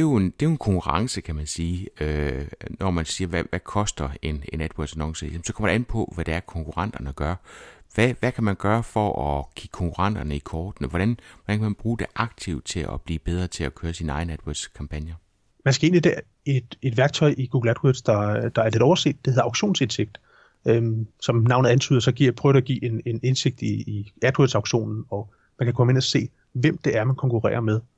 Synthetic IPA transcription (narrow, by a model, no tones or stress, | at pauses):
d̥e̝jo̝end̥e̝jo̝e̝nkʰɒ̽ŋkʰuʁɑ̈ŋsəkʰæmænsiːønɒmænsiːɐʋæʋækʰɒ̽sd̥ɐe̝nened̥wɐ̥sænɒ̽ŋsəɛmsɒ̥kʰɒm̰ɐɾ̥e̝enpʰɒ̽ʋæɾ̥eæɐkʰɒ̽ŋkʰuʁɑ̈n̰d̥ɐnəɡ̥ɶɐʋæʋækʰæmænɡ̥ɶːɐfɒʔɒɡ̥ʰiɡ̥kʰɒ̽ŋkʰuʁɑ̈n̰d̥ɐnəikʰɒːd̥nəʋɒɾænʋɒd̥ænkʰæmænb̥ʁuːd̥e̝ʔɑ̈ɡ̥̚t͡sʰiʊd̥̚t͡sʰe̝lʔɒ̰b̥liːb̥eð̞ˠʁɐːt͡sʰe̝lækʰøːɐsinɑ̈ɪn̩ed̥wæ̥skʰɑ̈mpʰænjɐ | mænsɡ̥æe̝ːnlid̥ɛ̰ɐ | e̝d̥e̝d̥ʋæɐɡ̥̚t͡sʰɒ̽ɪʔiɡ̥uːɡ̥l̩æd̥wed̥sd̥ɑ̈d̥ɑ̈æɐle̝d̥ɒʊɐse̝̰ːd̥eheðˠɑ̈ʊɡɕo̝̰ːnse̝nseɡ̥̚d̥ | øsɒ̽mnɑ̈ʊ̰nð̩ˠænt͡sʰy̰ːðˠɐsɒ̽ɡ̥iɐ̰pʰʁœːʊæɡ̥ḭːe̝ne̝ne̝nse̝ɡ̥̚d̥iːæd̥wedsɑʊɡ̥ɕo̝̰ːnn̩ɒ̽ | mænkʰækʰɒ̽məe̝næse̝̰ː | ʋem̰d̥e̝æɐmænkʰɒ̽ŋkuʁɛ̰ːɐmeð̞ˠ